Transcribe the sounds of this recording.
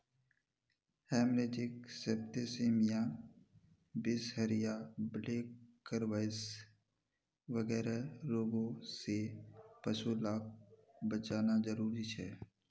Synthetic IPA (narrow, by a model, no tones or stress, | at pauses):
hɛːmɾeːd͡ʒɪksebt̪eseːmɪjãː | bɪshəɾɪjableːkː | əɾʋaɪs | ʋəɡɛːɾaɾoːɡõsepəʃulaːk̚bət͡ʃaːnazəɾuːɾit͡ʃʰɛː